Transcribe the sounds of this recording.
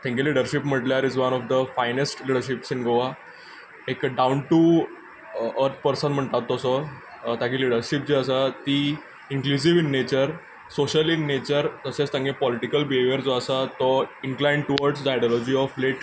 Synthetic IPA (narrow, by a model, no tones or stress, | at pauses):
t̪ʰɛ̃ŋkeliɽəɾɕipm̤əʈljaɾid͡zʋənɔfd̪əfajnesʈliɽəɾɕipsinɡoʋa | ekɖawnʈu | əɾt̪̚ʰpəɾsənm̤əɳt̪at̪ːɔsɔ | t̪ãkiliɽəɾɕip̚d͡ʑeəsat̪iː | iŋklusiʋinːet͡ɕəɾ | soɕəlinːet͡ɕəɾt̪əset͡st̪ãŋɡʱẽpɔliʈikəlbiɦeʋjəɾd͡zoəsat̪ɔiŋklajɳɖʈuʋɔɾɖsd̪ajɖɔlɔd͡ʑiɔfleʈ